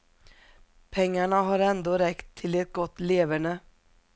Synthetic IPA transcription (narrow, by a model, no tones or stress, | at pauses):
pʰɛŋːaɳaɦaɾɛnd̪oːɾɛkt̪ʰːɪlɛt̪̚ɡɔt̪ːleːvəɳə